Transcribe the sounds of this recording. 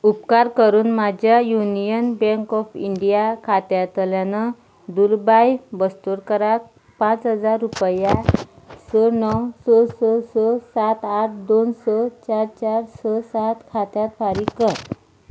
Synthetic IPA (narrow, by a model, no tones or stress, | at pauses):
upkaɾkəɾuːnmad͡ʑjajunijənbɛ̃ŋkɔfiɳɖijakʰat̪jat̪əljanə | d̪ulbajbəst̪uɾkəɾak̚ | pãt͡sɦəd͡zaɾːupja | sənɔwsoɾsɔsɔsat̪aʈʰd̪onsət͡ɕaɾt͡ɕaɾsəsat̪kʰat̪jat̪faɾikət̪